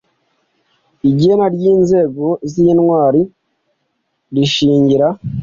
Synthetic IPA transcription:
iɟeːmaɾjiːnze̞ɡoziːnwaːɾi | ɾiʃiːɲɟiɾa

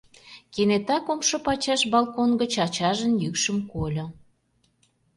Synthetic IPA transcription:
kenet̪ɑkomʃŏpɑt͡ɕɑʃbɑlˠkonɡət͡ɕɑt͡ɕɑʒənjykʃəmkolʲŏ

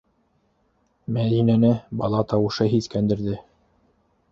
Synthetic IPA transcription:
mæðinænɘbɑlˠɑt̪ɑwɤ̆ʃɤɦiskænd̪ɘ̆ɾðɘ

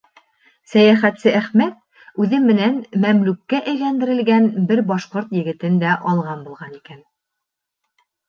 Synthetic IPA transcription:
sæjæχæt̪sɘʔæχmæt̪̚ | ʉðɘmːɘ̆nænmæmlʉkːæʔæjlænd̪ɘ̆ɾɘ̆lɡænbɘɾbɑʃqoɾt̪jɘ̆ɡɘ̆t̪ɘnd̪æʔɑlˠʁɑnbulˠʁɑnikæn

